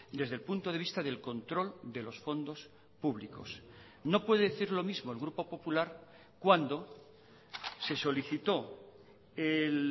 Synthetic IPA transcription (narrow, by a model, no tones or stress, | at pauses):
d̪e̞zðe̞lpunt̪oðeβist̪aðe̞lko̞nt̪ɾo̞ld̪e̞lo̞sfo̞nd̪o̞s | puβliko̞̰s | no̞pwe̞ðeðeθiɾlo̞mizmo̞e̞lɣɾupo̞po̞pulaɾ | kwand̪o̞ | se̞so̞liθit̪o̞ | el